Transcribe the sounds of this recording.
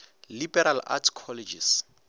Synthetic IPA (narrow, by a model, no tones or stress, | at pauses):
libɛɾala̰tʰkʰɔlɛd͡ʒis